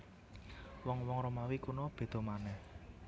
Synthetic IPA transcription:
wɔŋwɔŋɾomawikunob̥e̤d̪̥o̤manɛh

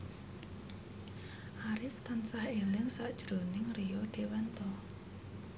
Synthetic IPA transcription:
ʔaɾɪft̪ansahelɪŋsaʔd̥ʒ̥ɾo̤nɪŋrijɔɖ̪̥e̤wɛnt̪ɔ

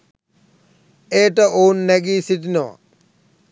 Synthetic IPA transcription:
eʈɐoːnːeɡisiʈino̰

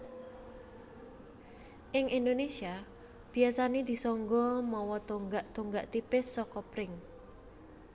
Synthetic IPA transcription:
ʔɪŋind̪onesia | b̥i̤asaned̪̥i̤sɔŋɡɔmɔwɔt̪oŋɡaʔt̪oŋɡaʔt̪ipɪsːɔkɔpɾɪŋ

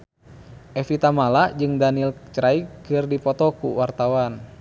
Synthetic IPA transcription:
ʔɛfit̪amalad͡ʒɨŋdanilt͡ʃɾaikɨrdipɔt̪ɔkṵwart̪awan

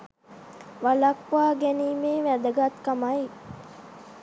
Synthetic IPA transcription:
ʋalakʋaːɡæniːmeːʋæd̪əɡat̪kamaj

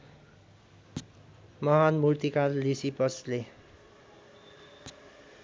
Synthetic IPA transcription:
mʌɦanmurt̪ikallisipʌsle

